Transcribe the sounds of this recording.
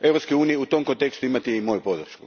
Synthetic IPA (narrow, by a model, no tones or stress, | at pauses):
e̞vɾopskojuːnijeut̪o̞mkont̪e̞kst̪uimat̪iimo̞jupo̞d̪rʃkṵ